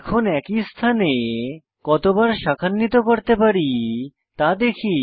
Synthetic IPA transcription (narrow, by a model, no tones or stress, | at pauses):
kʰonɛkist̪ʰane | kɔt̪obaɾʃakʰanːit̪okoɾt̪epaɾi | t̪ad̪ekʰi